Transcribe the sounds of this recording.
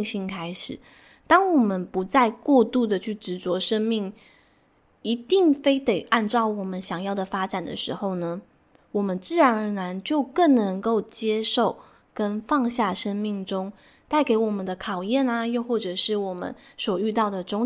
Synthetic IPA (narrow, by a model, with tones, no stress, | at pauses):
ŋɕi˥˧ŋkʰa˥ɪʂɻ̩˨˩˦ | t̪ɑ˥ŋwɔ˨˩mə˦npu˧˥t͡sa˥˧ɪkwɔ˥˧t̪u˥˩d̪ə˨˩t͡ɕʰy˥˩ʈ͡ʂɻ̩˧˥t͡swɔ˧˥ʂə˥ŋmi˥˩ŋ | i˧˥t̪i˥˩ŋfe˥ɪt̪e˨˩ɪʔa˥˧nt͡sɑ˥˩ʊwɔ˨˩mə˦nɕjɑ˨˩ŋjɑ˥˩ʊd̪ə˩fa˥ʈ͡ʂa˨˩nd̪ə̰˦ʂɻ̩̰˧˥xo˥˩ʊnə˩ | wɔ˨˩mə˦nt͡sɹ̩˥˩ɻa˧˥nə˧˥na˧˥nt͡ɕjo˥˧ʊkə˥˩ŋnə˧˥ŋko˥˩ʊt͡ɕjɛ˥ʂo˥˩ʊ | kə˦˥nfɑ˥˧ŋɕja˥˩ʂə˥ŋmi˥˩ŋʈ͡ʂʊ˥ŋ | t̪a˥˩ɪke˧˥ɪwɔ˨˩mə˦nd̪ə˧kʰɑ˨˩ʊjɛ˥˨na˨jo˥˧xwɔ˥˩ʈ͡ʂɤ˨˩ʂɻ̩˥˩wɔ˨˩mə̰˦nswɔ˨˩y˥˧t̪ɑ˥˩ʊd̪ə˩ʈ͡ʂʊ˥ŋ